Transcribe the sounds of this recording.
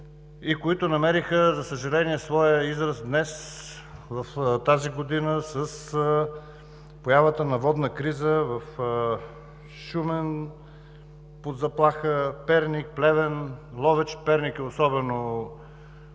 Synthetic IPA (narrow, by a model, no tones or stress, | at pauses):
ikoit̪onɐmɛɾixəzɐsəʒɐlɛniɛsvɔjəizɾəsd̪nɛs | vɐft̪aziɡod̪inəsəs | pojavət̪ənɐvɔd̪nəkɾizəvɐf | ʃumɛn | pod̪zɐplˠaxəpɛɾnik̚plɛvɛnlˠɔvɛt͡ʃpɛɾnikiosɔbɛno